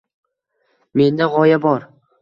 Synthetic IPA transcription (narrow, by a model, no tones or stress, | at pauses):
me̞nd̪aʁɒjabɒɾ